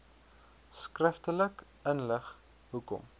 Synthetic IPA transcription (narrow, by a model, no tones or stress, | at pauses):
skrəftələk | ənləχ | ɦukɔ̰m